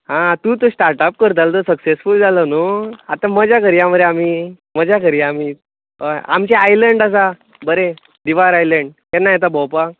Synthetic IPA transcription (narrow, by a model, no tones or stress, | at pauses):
ɦãt̪ũːt̪osʈaɾʈap̚kəɾt̪alt̪osəksesfuld͡zʱalənoat̪ãməd͡ʑakəɾjaməd̪eamiː | məd͡ʑjakəɾjaam̤iː | əa̰mt͡ɕaajləɳɖəs̬a | bəɾe | d̪iʋaɾajləɳɖkɛnajt̪̬abɔwpa